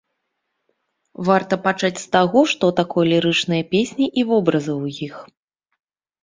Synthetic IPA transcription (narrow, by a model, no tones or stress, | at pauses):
vart̪ɐpat͡ʂat͡sʲst̪aɣɔʂt̪ɔt̪akɔjlʲiɾɨt͡ʂnɨjɐpʲesʲnʲiʔivɔbɾɐzɨwjix